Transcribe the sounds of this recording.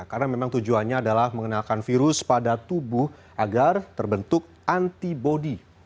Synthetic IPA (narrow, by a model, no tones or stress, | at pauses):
karənamemaŋt̪ud͡ʒuanɲaːdalahməŋənalkanfiɾʊspadat̪ubuh | ʔaɡart̪ərbənt̪ʊk̚ | ʔant̪ibodi